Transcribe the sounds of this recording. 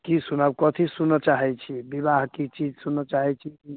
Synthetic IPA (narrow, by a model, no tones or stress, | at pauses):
kisunabkɔt̪ʰisunːət͡ʃaɦɛt͡ʃʰibibaɦkit͡ʃid͡ʒsunːət͡ʃaɦɛt͡ʃʰiki